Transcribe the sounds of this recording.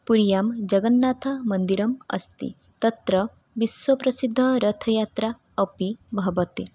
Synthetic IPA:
puɾjamd͡ʒɐɡənːat̪ʰɐmɐnd̪iɾɐmɐ̰st̪ḭ | t̪ɐt̪ɾɐ | ʋiswɐpɾɐsid̪ʱːɐɾɐt̪ʰɐjat̪ɾa | əpibʱɐbɐt̪e

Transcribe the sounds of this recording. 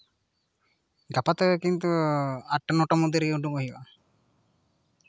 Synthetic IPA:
ɡapat̪əekint̪uaʈːənɔʈomud̪eɾiuɖumoɦiʋa

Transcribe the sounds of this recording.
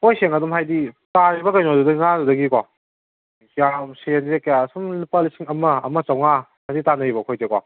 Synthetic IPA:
kʰojseŋadumɦajditaɾibɐkɐjnɔdudɐiŋazudɐɡikɔ | kjamsenzekɐjasumlipalisiŋɐmɐɐmɐt͡ʃawŋahajditanɐɾibɐkʰojzekɔ

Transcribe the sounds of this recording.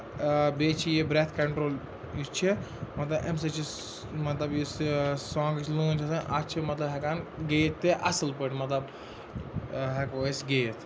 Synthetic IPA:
beːt͡ʃʰijibɾet̪ʰkɐɳʈɾoːl | it͡ʃʰimɐt̪lɐbʔems̬et͡ʃʰi | mɐt̪lɐbjissɔ̃ːŋɡt͡ʃʰlũnt͡ʃʰɐsɐ̃ʔɐt͡ʃʰimɐt̪lɐbɦɐkanɡejt̪ːeʔɐsɨlpəʈmɐt̪lɐb | ɦekosɡejt̪ʰ

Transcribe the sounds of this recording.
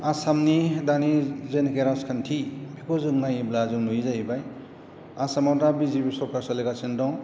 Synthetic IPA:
asamnidanizenkeɾaskʰantʰibikʰɔzɯŋnajiblazɯŋnujizajibaj | asamawdabizibisɔɾkʰasɔleɡasendɔŋ

